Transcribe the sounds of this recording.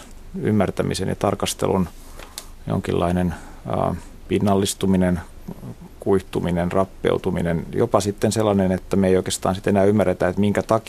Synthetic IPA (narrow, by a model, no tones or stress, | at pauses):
y̰mːært̪æmḭsḛnjɑ̰t̪ɑrkɑst̪ḛlun | jo̰ŋkḭlːɑinen̰ː | pinːɑlːist̪uminen | kuiht̪uminenrɑpːḛut̪uminenjo̰pɑsit̪ːenselːɑnenet̪ːæmeijoikest̪ɑ̰ːnsit̪enæːymːæret̪æet̪miŋkæt̪ɑk